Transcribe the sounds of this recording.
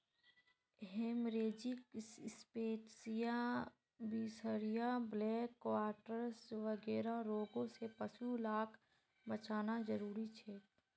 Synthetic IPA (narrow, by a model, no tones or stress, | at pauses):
ɦeːmɾeːd͡ʒɪkspeːʈsija | biːsəɾijablɛːkːʋaːɾʈəɾsʋəɡɛːɾaɾoːɡõsepəsulaːkʰ | bət͡ʃaːnazəɾuːɾit͡ʃʰɛː